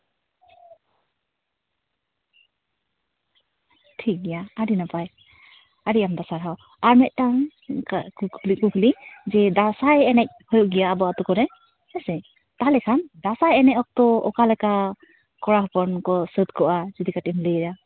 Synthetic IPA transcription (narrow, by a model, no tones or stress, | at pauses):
tʰik̚ɡijaaɾinapaj | aɾiamd̪asaɾɦaw | aɾmɛʔ̚ˀtaŋ | akukʰlikukʰlid͡ʒɛd̪asajɛnɛc̚hɔjɔʔɡijaːbɔat̪ɔkɔɾɛ | hɛsɛ | t̪alɛkʰand̪asajɛnɛɔk̚t̪ɔɔ̰kalaka | kɔɾaɦpɔnkɔsɯt̪̚kɔʔad͡ʒud̪ikatimləɾa